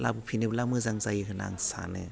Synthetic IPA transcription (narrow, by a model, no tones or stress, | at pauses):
la̰b̚ɯpʰinɯblamɯzaŋzajkʰɯna̰ŋsa̰nɯ